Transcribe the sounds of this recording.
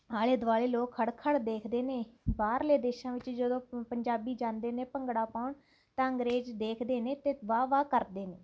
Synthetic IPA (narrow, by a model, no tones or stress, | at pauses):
aːleːd̪ʊʋaːleːloːkʰːəɽkʰəɽd̪eːkʰd̪eːneːbaːɾleːd̪eːʃãːʋɪt͡ʃd͡ʒəd̪õːpəɲd͡ʒaːbiːd͡ʒãːnd̪eːneːpəŋɡɽaːpaːʊɳ | t̪ãːəŋɡɾeːd͡ʒd̪eːkʰd̪eːneːt̪eːʋaːʋaːkəɾd̪eːneː